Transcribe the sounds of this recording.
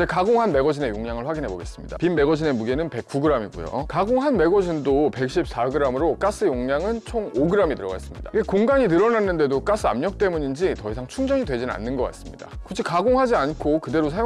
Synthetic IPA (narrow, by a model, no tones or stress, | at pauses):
ekaɡoŋɦanme̞ɡʌd͡ʑine̞joŋɲjaŋɯɭɸwaɡinɦe̞boɡe̞̰s͈ɯmɲida̰pimːe̞ɡʌd͡ʑine̞muɡenɯnpe̞k̚k͈uɡɯɾamiɡṵjo̰kaɡoŋɦanme̞ɡʌd͡ʑindope̞k̚ɕ͈ip̚s͈aɡɯɾamɯɾok͈as͈ɯjoŋɲaŋɯnt͡ɕʰoŋoɡɯɾamitɯɾʌɡaes͈ɯmɲidaɡekoŋɡaŋitɯɾʌnanːɯnde̞dok͈as͈ʰɯa̰mɲʌk̚t͈e̞muɲind͡ʑitʌisʰaŋt͡ɕʰuŋd͡ʑʌŋidwe̞d͡ʑina̰nːɯnɡʌk͈a̰s͈ɯmɲida̰kut͡ɕʰikaɡoŋɦad͡ʑiankʰokɯde̞ɾosʰaj